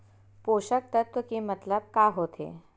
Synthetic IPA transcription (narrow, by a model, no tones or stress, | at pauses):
poɕək̚t̪ət̪ʋəkimət̪ləb̚kaɦot̪ʰḛ